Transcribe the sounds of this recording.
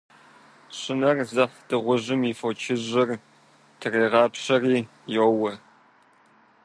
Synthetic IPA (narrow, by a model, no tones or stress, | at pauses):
ɕʼɪnɐrzɐfdɨʁʷʊʑɪmifot͡ʃʰɪʑɐr | tʰɨreːʁɑːpɕɐriː | jowɐ